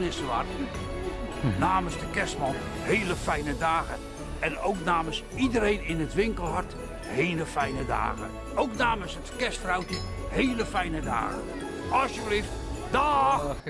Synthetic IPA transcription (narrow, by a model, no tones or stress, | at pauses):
nɪsəʋa̰rt | naːməsdəkɛsmɔlheːləfɛjnədaːɣə | ɛnowknaːməs | idəɾejnɪnətʋɪŋkəlˠhɔrt | heːləfɛjnəda̰ːɣə̰ | owknaːməsətkɛstfrawtəheːləfɛjnəda̰ːɣə̰ | ɔsjəbliftdɔ